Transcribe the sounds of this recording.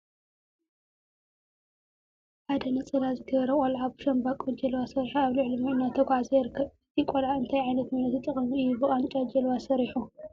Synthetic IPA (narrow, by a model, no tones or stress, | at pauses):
ħad̪ɐnɐt͡sʼɐlazɨɡɐβɐɾɐkʼolʕaβʃɐmbakʼɔd͡ʒɐlwasɐɾiħiaβlɨʕlimɨɨnːat̪ʰɐɡʷʕazɐjɾɨkʰːɐβɨt̪ʰikʷʼɔlʕaɨnt̪ʰajʕajnɐt̪mɐnɐt̪it̪ʼɨχʼɨmiɨjːubɨχʼant͡ʃʼad͡ʒɐlwasɐɾiħu